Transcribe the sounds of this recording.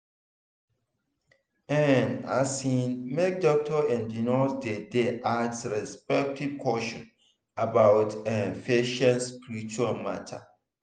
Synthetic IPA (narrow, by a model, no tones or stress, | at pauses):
ɛna̰sĩnmek̚dɔk̚tʰɔɛ̃ndinosdedeʔadsɹɛspɛk̚tʰiv̥kʰɔʃɔ̰̃n | abawtɛ̃nfeʃãnspiɹit͡ʃualma̰tʰa̰